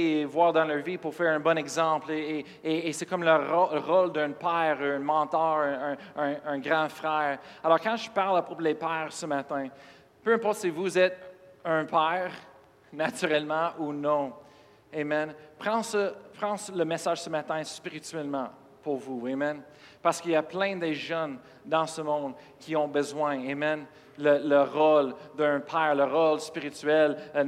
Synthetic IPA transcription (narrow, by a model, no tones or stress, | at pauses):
vwaːʁd̪ɑ̃ləʁvipuʁfɛːʁɛ̃bɔnɛɡzɑ̃plee | eːsɛkɔmləʁoʁɔld̪ə̃pɛːʁəɛ̃mɑ̃t̪œːʁ̃ə̃ːɡʁɑ̃fʁɛːʁalɔʁkɑ̃ʒəpaʁlapʁoplepɛːʁsəmat̪ɛ̃ | pøɛ̃pɔʁt̪sɛvuzɛt̪ə̃pʰɛʁ | nat̪yʁɛlmɑ̃ʔunɔ̃ | emɛnpχɑ̃səpχɑ̃sləmɛsaːʒ̥səmat̪ɛ̃spiʁit̪ɥɛlmɑ̰̃ | puʁvuemɛn | paʁsə̥kiljaplɛ̃d̪eʒən | d̪ɑ̃səmɔ̃d̪ | kʲʰiɔ̃bəzwɛ̃emɛn | lələʁɔld̪ə̃pʰɛːʁləʁɔlspiʁit̪yɛl